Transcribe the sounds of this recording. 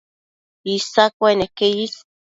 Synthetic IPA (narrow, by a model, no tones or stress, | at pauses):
isakʷwenekeis